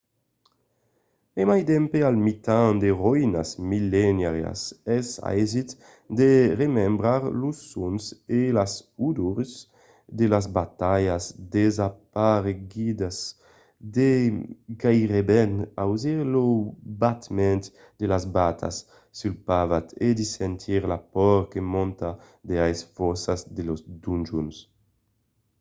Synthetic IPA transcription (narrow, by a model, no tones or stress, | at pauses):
emajd̪ɛmpealmit̪ãŋd̪eʁɔina̰smilɛnaʁja̰sɛsa̰ɛzit̪ | d̪eʁemɛmbɾaɾlusːunselasud̪uɾs | d̪elazbat̪ajasd̪ezapaɾeɡid̪as | d̪ekaiʁebɛnawziɾlobat̪mɛnt̪ | d̪̥elazbat̪ʰa̰sː | ylpavat̪ed̪isɛnt̪ʰiɾlapɔɾkemɔ̃nt̪a | d̪eajsfɔsazd̪elozd̪und͡ʒuns